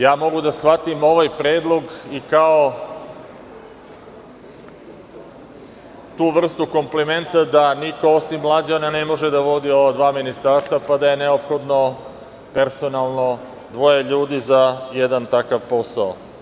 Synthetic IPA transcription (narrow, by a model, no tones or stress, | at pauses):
jaːmo̞ɡud̪asxʋat̪imo̞ʋajpɾeːd̪lˠo̞ɡikao | t̪uːʋr̩st̪uko̞mplime̞nt̪ad̪anikoosimːlˠad͡ʑananemo̞ʒed̪aʋo̞d̪iod̪ʋaːminist̪aɾst̪vapad̪aje̞neopxo̞d̪no̞ | pe̞ɾso̞nalˠno̞ | d̪ʋo̞jeʎuːd̪izajed̪ant̪akaʋpo̞sao